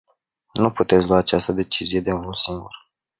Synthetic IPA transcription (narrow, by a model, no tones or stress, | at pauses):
nuput̪e̞t̪sʲluwaːt͡ʃast̪əd̪e̞t͡ʃizije̞d̪eũnulsiŋɡur